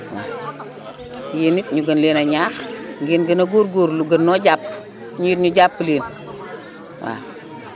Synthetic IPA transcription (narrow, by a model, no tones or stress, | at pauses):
wa̰ | jenit̚ɲuɡənlenaɲaxŋɡinɡənɐɡoɾɡoːɾluɡənːoɟaːp̚ | ɲujitɲuɟapːleːn | wa̰